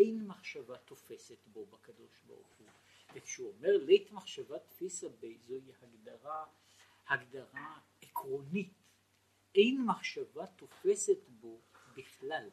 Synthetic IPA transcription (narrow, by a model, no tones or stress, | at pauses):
ʔejnmaχʃavat̪o̞fe̞setbo̞bakad̪o̞ʃba̰ʁṵχu | vekʃeuomeʁlejt̪maχʃavat̪fisabezoihaɡd̪aʁa | haɡdaʁa | ekʰʁo̞nit | ʔe̞jnmaχʃavat̪o̞fe̞set̪bo̞biχlal